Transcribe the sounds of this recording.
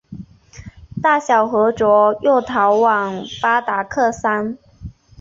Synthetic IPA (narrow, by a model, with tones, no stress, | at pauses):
t̪a˥˩ɕjɑ˨˩ʊxɤ˧˥ʈ͡ʂwɔ˧˥jo˥˩ʊt̪ʰɑ˧˥ʊwɑ˨˩ŋfa˥t̪a˧˥kʰɤ˥˩sa˥n